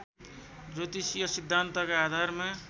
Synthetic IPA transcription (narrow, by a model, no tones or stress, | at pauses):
d͡zot̪isijʌsid̪ʱːant̪ʌkaad̪ʱarma